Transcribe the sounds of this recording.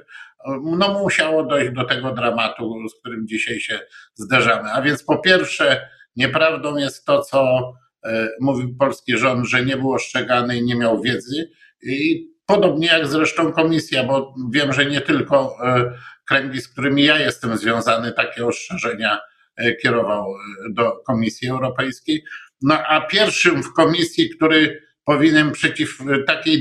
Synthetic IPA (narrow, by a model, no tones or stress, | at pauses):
mnɔmuɕawɔd̪ɔjʑd͡ʑd̪ɔt̪ɛɡɔd̪ɾamat̪usk̚t̪uɾɘmd͡ʑiɕajɕɛzd̪aʐamɘavʲjɛnt̪spɔpʲjɛɾfʂɛ | ɲɛpɾavd̪ɔ̃w̃jɛst̪ːɔt̪sɔ | muvʲiwpɔlskʲiʐɔnd̪ʐɛɲɛbɘwɔʂt͡ʂɛɡanɛiɲɛmʲjawvʲjɛd̪zɘ | ipɔd̪ɔbɲɛjaɡzɾɛʂt̪ɔ̃w̃kɔmʲisʲjabɔvʲjɛmʐɛɲɛt̪ɘlkɔ | kɾɛŋɡʲisk̚t̪uɾɘmʲijajɛst̪ɛmzvʲjɔ̃w̃zanɘt̪akʲɛɔst͡ʂɛ̃ʐɛɲa | kʲɛɾɔvawd̪ɔkɔmʲisʲjiɛwɾɔpɛjskʲejnɔʔapʲjɛɾfʂɘmfkɔmʲisʲjikt̪uɾɘ | pɔvʲiɲɛnpʂɛt͡ɕift̪akʲej